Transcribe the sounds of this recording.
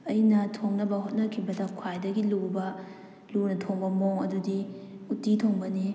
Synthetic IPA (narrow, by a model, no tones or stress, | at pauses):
ɐjinɐtʰoŋnɐbɐhot̚nɐkʰibɐdɐkʰwajdɐɡilubɐ | lunɐtʰoŋbɐmoŋɐdudiutːitʰoŋbɐni